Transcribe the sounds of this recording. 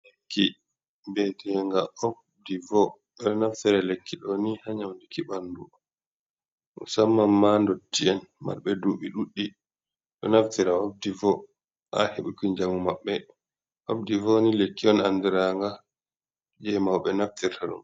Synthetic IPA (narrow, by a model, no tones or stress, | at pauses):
lekːi | bɛtɛŋɡaʔob | divɔ | ɓɛnaftiɾalekʰːiɗɔnihaɲawndikiɓandu | ʔṵsamːamːandotːiɛnma̰ɾɓɛduɓiɗuɗːi | ɗɔ̰naftiɾaob̚divɔ | ʔa̰heɓukiɲd͡ʒamumaɓːɛ | ʔofdivɔnilekːiɔnandɛɾaŋɡa | d͡ʒɛmawɓɛnaftiɾtʰaɗṵn